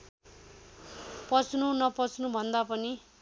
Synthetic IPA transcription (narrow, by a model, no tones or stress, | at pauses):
pʌt͡snunʌpʌt͡snubʱʌnd̪apʌni